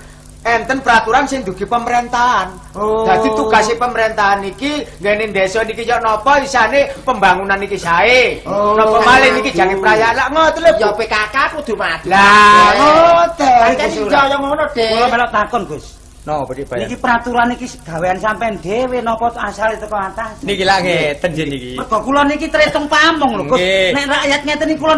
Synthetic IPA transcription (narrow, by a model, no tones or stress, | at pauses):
ɛnt̪ənpəɾat̪uɾansɪŋd̪uɡ̥i̤pəməɾent̪aɦan | od̪̥a̤d̪̥i̤t̪uɡ̥a̤sepəməɾent̪aɦanikiŋɡɛnend̪esɔnikijɔʔnɔpɔisanepəmbaŋunanikisaenɔpɔmalɪniki̥d͡ʒʒ̥a̤kipɾajanlaʔŋɔt̪ləjɔbekakapud̪̥ṳmad̪̥a | t̪ɛiksɔjɔmɔnɔd̥ekulɔmelɔʔt̪akɔnɡ̥ʊs | nɔdibnikipəɾat̪uɾanikisəɡ̥a̤weansampɛnɖewenɔpɔt̪asalit̪ukaat̪asnikilaŋet̪ənd͡ʒiikipərd̥ɔ̤kulɔnikit̪əɾet̪ɔŋpamɔŋloɡʊsnɛʔrajat̪̚ŋet̪ənikulɔn